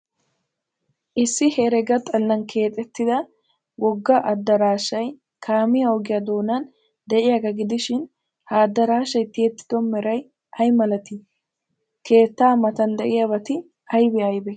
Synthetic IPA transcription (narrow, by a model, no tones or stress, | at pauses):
ʔɪsːɪhɛɾɛɡɐt̪ʼɐlːɐnkʰe̞ːt̪ʼɛt̪ːɪd̪ɐ | wɔɡːɐʔɐd̪ːɐɾaːʃɐj | kʰaːmɪjɐɔɡɪjɐd̪o̞ːnɐn | d̪ɛʔɪjaɡɐɡɪd̪ɪʃɪn | hɐːd̪ːɐɾaːʃɐjt̪ɪɛt̪ːɪ̥d̪ɔmɛɾɐj | ʔɐjmɐlɐt̪ɪ | ke̞ːt̪ːaːmɐt̪ɐnd̪ɛʔɪjabɐt̪ɪ | ɐjbɛɐjbɛ